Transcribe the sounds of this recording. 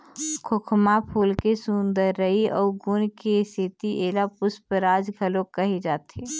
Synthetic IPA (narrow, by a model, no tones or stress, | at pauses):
kʰokʰmapʰuːlkesʊnd̪əɾːəiɔːɡʊnkesit̪iʔeːlapʊspəɾaːd͡ʒɡʱəlõkəɦid͡ʒaːt̪e